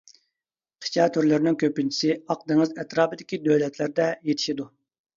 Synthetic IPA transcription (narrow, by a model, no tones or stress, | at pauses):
qʰi̥t͡ʃʰɑːt̪ʰøɾlɪɾnɪŋkʲʰøpynt͡ʃʰi̥sɪɑq̚d̪ɨŋɨzɛt̪ɾɑːbɨd̪ɪkʲid̪øwlɛt̪ʰlɪɾd̪ɛjet̪ʰɪ̥ʃid̪u